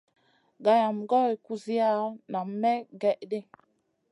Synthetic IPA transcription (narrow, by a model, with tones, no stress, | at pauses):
ɡa˨ja˨mɡɔ˦i˨ku˦zi˦a˦˨na˨m˦mːɛ˦ɡɛ˦˨ʔde˦